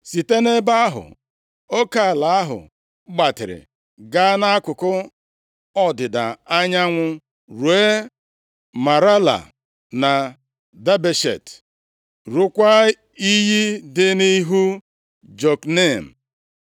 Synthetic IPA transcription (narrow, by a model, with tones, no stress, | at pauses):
si˨te˦ne˦ba˦a˦ɦʊ̰˨ | o˦ka˦˨la˨a˦ɦʊ̰˨˦ | ɡ͡ba˨tɪ˨ɾɪ̰˨ | ɡa˦na˦a˦kʊ˨kʊ˦ | ɔ˦dɪ˨da˨a˦ɲa˦ŋʷʊ˦ | ɾu˨˦e˦ | ma˨ɾa˦la̰˨ | na˨ | da˦be˨ʃḛ˨t | ɾʊ˦kʷa˦ | i˦ɦi˦dɪ˦ni˦ɦu˦ | d͡ʒo˨kne˦˨m̩˨